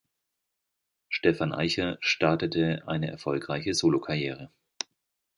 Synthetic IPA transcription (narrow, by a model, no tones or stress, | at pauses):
ʃtɛfanʔa̰ɪçɐʃtaɐtətʰəʔa̰ɪnəʔɛɐfɔlkʁ̥aɪçəzoːlokʰajɛːʁ̞ə